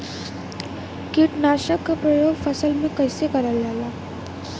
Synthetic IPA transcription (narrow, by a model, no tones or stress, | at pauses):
kiʈnaːʃəkːapɾɐjoːɡfɐsəlmẽkɐɪsekɐɾalaːlaː